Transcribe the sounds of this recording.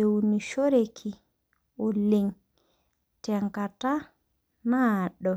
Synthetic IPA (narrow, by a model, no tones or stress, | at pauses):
ewuniʃoɾekʰi | ɔliŋ | tɛŋkata | naɗɔ